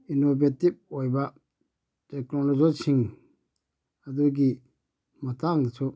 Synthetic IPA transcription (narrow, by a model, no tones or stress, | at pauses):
inobetip̚ojbɐ | teknolozɔsiŋ | ɐduɡi | mɐtaŋdɐsu